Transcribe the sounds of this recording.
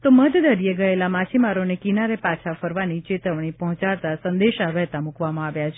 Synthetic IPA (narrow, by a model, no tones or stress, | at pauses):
t̪oməd̪d̪əɾijeɡəelamat͡ʃʰimaɾonekinaɾepat͡ʃʰafəɾʋanit͡ʃet̪əʋɳ̃ipɔɦɔ̃t͡ʃaɭt̪asənd̪eʃaʋɛɦt̪amukʋamãaʋjat͡ʃʰe